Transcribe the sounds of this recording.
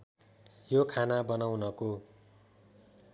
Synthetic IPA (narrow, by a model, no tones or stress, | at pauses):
jokʰanabʌnawnʌko